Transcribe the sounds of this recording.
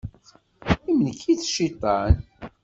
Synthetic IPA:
imənkːiθʃit̪ˤːɑn

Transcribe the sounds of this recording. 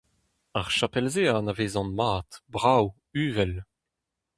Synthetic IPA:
aʁʃapɛlzeːanaveːzɑ̃nmaːtbʁaw | yːvɛl

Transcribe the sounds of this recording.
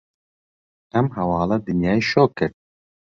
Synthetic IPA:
ɛmɦɛwɑːlɑːd̪ɨnjɑːiʃoːkʰɨɾt̪̚

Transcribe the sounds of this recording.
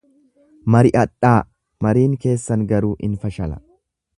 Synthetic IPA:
mɐɾɪʔɐᶑaː | mɐɾiːŋke̞ːsːɐŋɡɐɾuːʔɪnfɐʃɐlɐ̥̰

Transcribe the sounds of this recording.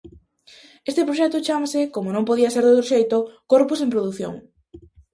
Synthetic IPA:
est̪epɾoʃɛt̪ʊt͡ʃamasɪkomonõmpoð̞iɐseɾðowt̪ɾoʃejt̪okoɾpʊsempɾoðuθjo̰ŋ

